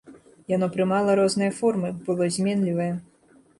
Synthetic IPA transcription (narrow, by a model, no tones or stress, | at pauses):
janɔpɾɨmalˠɐɾɔznɨjɐfɔrmɨbɨlˠɔzʲmʲɛnlʲivɐjɛ